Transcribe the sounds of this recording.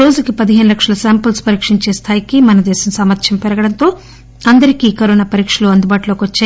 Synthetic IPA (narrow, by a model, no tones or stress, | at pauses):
ɾo̞ːd͡ʒukipɐd̪iɦeːnulɐkʂɐlɐsaːmpɐlspɐɾiːkʂiɲt͡ʃe̞ːst̪ʰaːjikimɐnɐd̪ɛːsɐmsaːmɐɾt̪ʃɐmpɛɾɐɡɐɽɐnt̪o̞ː | ɐnd̪ɐɾikikɐɾoːnaːpɐɾiːkʂɐluɐnd̪ubaːʈulo̞ːkiʋɐt͡ʃːaː